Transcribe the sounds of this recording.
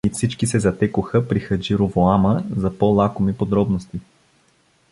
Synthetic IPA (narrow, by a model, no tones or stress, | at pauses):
ifsit͡ʃkisɛzɐt̪ɛkʊxəpɾixəd͡ʒiɾovoaməzɐpɔlˠakomipod̪ɾɔbnost̪i